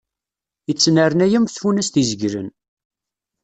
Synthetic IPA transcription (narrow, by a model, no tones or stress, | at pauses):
jət͡sːnəɾənæjəmθfunæst̪izəɡɾə̰n